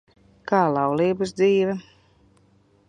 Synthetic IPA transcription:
kɑːlˠɑwliːbɨsd̪ziːvɛ

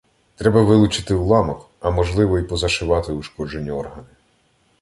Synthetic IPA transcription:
t̪ɾɛbɐʋɪlˠʊt͡ʃɪ̥t̪ɪwlˠɑmɔk | ɐmɔʒlˠɪʋɔipɔzɐʃɪʋɑt̪ɪuʃkɔd͡ʒe̞nʲːiɔrɦɐnɪ

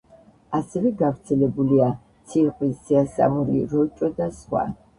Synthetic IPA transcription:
asɛvɛɡafɾt̪sʰɛlɛbulia | t̪sʰiɾqʼwissiasa̰muɾḭɾɔt͡ʃʼɔd̪asχwa̰

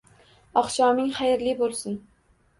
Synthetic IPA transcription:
ɒqʃɒmɪŋχajɪɾlɪbolˠsɪn

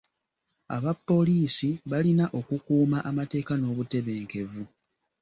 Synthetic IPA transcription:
a̰βapːo̞liːsiβalinaʔo̞kukuːmaʔamate̞ːkano̞ːβute̞βe̞ːŋke̞vu

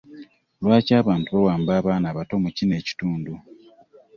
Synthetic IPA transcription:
lwaːcaːβaːntuβawaːmbaːβaːnaːβato̞mucine̞ːci̥tuːndu

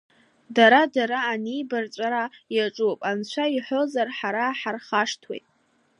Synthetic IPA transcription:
daɾadaɾaːnijbart͡sʷʼaɾajaʈ͡ʂʼupʼant͡ɕʷʰaiħo̞zarħaɾaːħarχaʂtʰwḛjtʼ

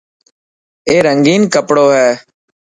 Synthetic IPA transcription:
eːɾəŋɡiːnkəpɽoːɦɛː

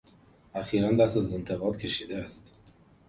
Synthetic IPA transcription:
æxiːɾænd̪æst̪æzent̪ʰeɣɒːd̪cʰʲe̞ʃiːd̪ææst̪

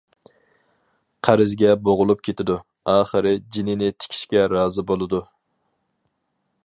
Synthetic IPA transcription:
qʰæɾɪzɡʲɛboʁʊlˠup̚kʲʰet̪ʰɪd̪u | ɑːχəɾɪd͡ʒinɪnɪt̪ʰɪ̥kʲʰi̥ʃkʲɛɾɑːzɨbolˠɨd̪u

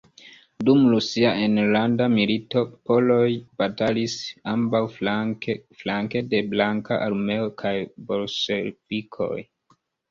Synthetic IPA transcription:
dumɾusiaʔenlandamilito̞po̞lo̞jb̥atalisambaw | flaŋke̞de̞blaŋka̰ʔalme̞okʰajbo̞lʃelv̥ikʰo̞̰j

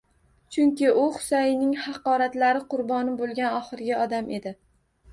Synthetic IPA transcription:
t͡ʃʰʊŋkʲɪʔʊχʊ̥sajɪnɪŋhɑqɒɾat̪laɾɪqʊɾbɒnɪbolˠɡʲanɒχɨɾɪɡʲaɒd̪amʔe̞d̪ɪ

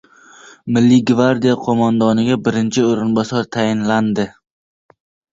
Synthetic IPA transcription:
mɪlːɪɡvaɾd̪ijaqʰomand̪ɒnɪɡʲabɪɾɪnt͡ʃʰɪoɾɪnbɒsɒɾt̪ʰajɪnland̪ɪ

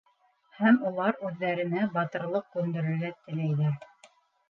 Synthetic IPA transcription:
hæmulˠɑɾʉðːæɾɘ̆næbɑt̪ɤ̆ɾlˠɤq̚kʉnd̪ɘ̆ɾɘ̆lɡæt̪ːɘ̆læjðæɾ

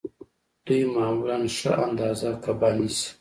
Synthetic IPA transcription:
d̪ujmaːwlanʃaʔand̪aːzakabanis

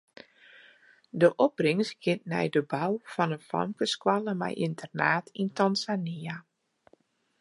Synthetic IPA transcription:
dəʔɔprɪŋsɡ̥ɪt̚nɛ̰jdəbawfɔnənfa̰mkəskwaləmɛ̰jʔintʰərnaːtʰintanzania

